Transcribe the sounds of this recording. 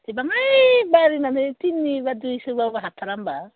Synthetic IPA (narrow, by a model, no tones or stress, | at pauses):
tebaŋajbaɾinanet̪inːiβaduisewawwaɦat̪ʰaɾamba